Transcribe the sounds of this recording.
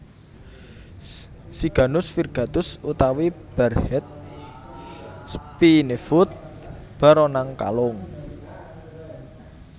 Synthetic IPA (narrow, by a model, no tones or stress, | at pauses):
siɡ̥a̤nʊsfirɡ̥a̤t̪ʊsut̪awib̥ɛrhɛt̪̚ | spinefʊt̪̚ | b̥a̤ɾɔnaŋka̰lʊŋ